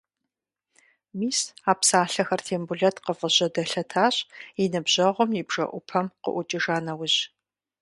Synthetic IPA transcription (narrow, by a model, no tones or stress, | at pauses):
miːsaːpsaːɬɐxɐrtʰeːmbuɮɐtʰqəfəɕɐdɐɬɐtʰaːɕʼiɪnɨbʑɐʁʷʊmjɪbʒɐ̰ʔʷʊpʰɐmqə̰ʔʷʊt͡ʃʼiʒaːnɐwʊʑ